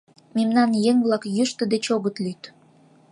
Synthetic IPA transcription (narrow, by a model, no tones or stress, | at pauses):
memnɑnjeŋβlɑkjyʃt̪ə̆d̪et͡ɕoɣət̪lyt̪